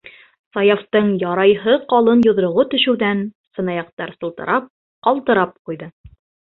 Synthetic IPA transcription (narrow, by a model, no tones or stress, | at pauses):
sɑjɑft̪ɤɴjɒɾɑjɦɤqɑlˠɤnjŏðɾŏʁot̪ɵ̆ʃɘ̆wðæn | sɤ̆nɑjɑq̚t̪ɑɾsɤ̆lˠt̪ɤ̰̆ɾʔɑp̚ | qɒlˠt̪ɤ̆ɾɑp̚qujðɤ